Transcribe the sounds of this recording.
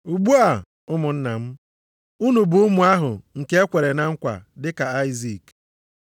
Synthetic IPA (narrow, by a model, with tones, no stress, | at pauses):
u˨ɡ͡bu˦a˨ | ʊ˦mʊ˨n̩˦na̰˨m̩˦ | u˦nu˨bu˨˦mu˨a˦ɦʊ̰˨ŋ̩˨ke˦e˦kʷe˨ɾe˨na˦ŋ̩˦kʷa̰˨dɪ˦ka˨a˦ɪ˦zi˨k